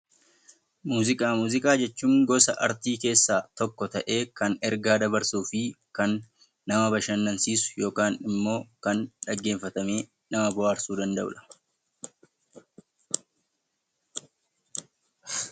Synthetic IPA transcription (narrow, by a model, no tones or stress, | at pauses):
muːzɪkʼaːmuːzɪkʼaːd͡ʒɛt͡ʃːuːmɡɔsɐʔɐɾt̪iːke̞ːsːaːt̪ɔkːɔt̪ɐʔe̞ːkɐnɛɾɡaːd̪ɐbɐɾsuːfɪkɐnː | ɐmɐbɐʃɐnːɐnsiːsʊ̥jo̞ːkaːnɪmːo̞ːkɐnᶑɐɡːeːfːɐt̪ɐme̞ː | nɐmɐbʊaːɾsuːd̪ɐnd̪ɐʔʊ̰ᶑɐ̥